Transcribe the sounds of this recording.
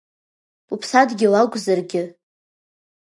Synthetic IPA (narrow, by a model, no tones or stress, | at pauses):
upʰsadɡʲɪwaɡʷʼzarɡʲɪ